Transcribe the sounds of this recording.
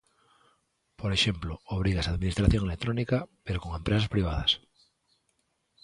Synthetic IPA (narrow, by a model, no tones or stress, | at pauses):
poɾeʃemplooβ̞ɾiɣasaːðminist̪ɾaθjo̞ŋelek̚t̪ɾonikapeɾoko̞ŋẽmpɾes̬aspɾiβ̞aðas